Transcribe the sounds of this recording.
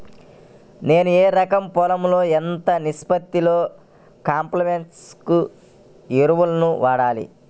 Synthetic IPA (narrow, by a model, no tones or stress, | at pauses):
ne̞ːnueːɾɐkɐmpɔlɐmlo̞ːent̪ɐnispɐt̪ːilo̞ː | kaːmplɐmeɳʈsku | iɾuʋulɐnuʋaːɽaːlḭ